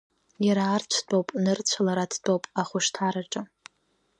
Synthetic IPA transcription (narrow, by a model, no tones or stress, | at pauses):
jaɾaːrt͡ɕʷʰtʷʼowpʼnɨrt͡ɕʷʰalaɾatʰdʷʼowpʼaχʷʊʂtʰaɾaʈ͡ʂʼɨ